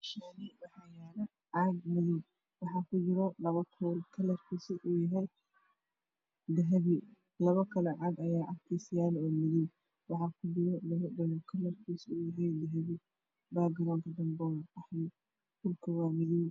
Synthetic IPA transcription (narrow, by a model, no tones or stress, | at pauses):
ʃanibɑħajaːnɐ | ʕɑɡmɪðɪm | wɑħɑːkʰʊd͡ʒɪɾɔlɐβɐkʰɔːlkʰɐlɐrkʰiːsiʔuːjɐɦɛj | d̪ɐɦɐβɪ | lɐβɐkʰɐlɛʕɑɡɐjaːʕɑkt̪ʰɛsɪjaːlɔːmɪðɪw | wɑħɑːkʰʊd͡ʒɪɾɔlɐβɐdɔllkʰɐlɐrkʰiːsuːjɐɦɛjd̪ɐɦɐβɪ | baːɡɐɾɐnt̪ʰɐd̪ɐmbɔwɑħnɪ | kʊlkʰɐwaːmɪðɪw